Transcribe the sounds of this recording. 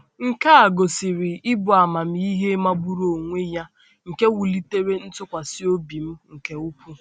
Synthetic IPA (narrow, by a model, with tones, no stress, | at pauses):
ŋ̩˨ka˦a˨ɡo˨sɪ˨ɾɪ˨ɪ˦bʊ˨a˨ma˨m̩˨˦i˦ɦe˦ma˦ɡ͡bu˦ɾo˨ŋʷe˦ja˦ | ŋ̩˨ke˦wu˨li˦te˦ɾe˦n̩˦tʊ˦kʷa˨sɪ˦o˦bi˨m̩˦ŋ̩˨ke˦u˦pu˦